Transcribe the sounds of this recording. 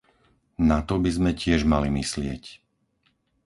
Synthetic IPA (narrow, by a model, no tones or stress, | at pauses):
nat̪ɔbizmɛcɪɛʒmalimislɪɛc